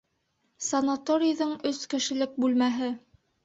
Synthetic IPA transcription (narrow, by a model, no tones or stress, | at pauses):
sɐnɐt̪oɾʲɪjðɤɴɵskɘ̆ʃɘ̆lɘk̚bʉlmæɦɘ